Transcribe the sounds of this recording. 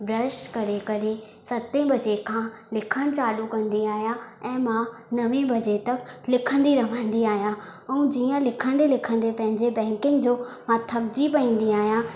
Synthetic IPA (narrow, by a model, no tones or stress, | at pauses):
bɾɐʃkɐɾekɐɾe | sɐt̪ĩbɐd͡ʑekʰãː | lɪkʰəɽ̃t͡ɕaːlukɐ̃nd̪iaːɦijãɛ̃ːmãnɐʋẽbɐd͡ʑet̪ɐklɪkʰə̃nd̪iɾɐʋ̤ə̃n̆d̪iaːɦijãɛ̃ũd͡ʑiːə̃lɪkʰə̃nd̪elɪkʰə̃nd̪epɐ̃ɦɪ̃ɲd͡ʑebɛ̃ːŋkɪ̃ŋɡd͡ʑoːmãt̪ʰɐbd͡ʑipɐĩːn̆d̪iaːɦijã